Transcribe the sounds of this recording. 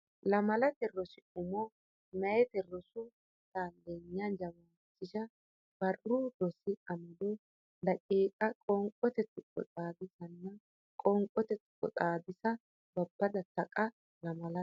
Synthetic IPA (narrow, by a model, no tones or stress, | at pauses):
lɐmɐlɐt̪ɛrːɔsɪʊmɔ | mɐjɛt̪ɛrːɔsʊ | t̪and̪eɲːand͡ʒɐmaː | sɪʃɐ | b̥ɐrʊd̪ɔsɪɐmɐd̪ɔ | d̪ɐkʼiːkʼɐkʼɔŋkʼɔt̪ɛt̪ʊkʼːɔ̰t͡s̪ʼaːbɪsɐnːɐ | kʼɔŋkʼɔt̪ɛt̪ʊ̥kʼːɔ̰t͡sʼaːbɪsɐ | bɐbːɐd̪ɐt̪ɐkʼɐ | lɐmɐlɐ